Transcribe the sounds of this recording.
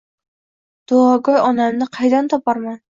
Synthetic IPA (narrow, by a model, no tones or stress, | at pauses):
d̪̥oɒɡɒjɒnamnɪqʰɑjd̪ant̪ʰɒpɒɾman